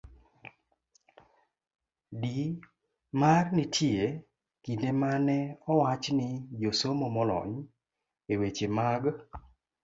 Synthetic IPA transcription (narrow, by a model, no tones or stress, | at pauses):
di | marnɪtʰje | kindemanɛɔwat͡ʃnɪd͡ʒosomɔmɔlɔ̰ɲ | ewet͡ʃemaɡ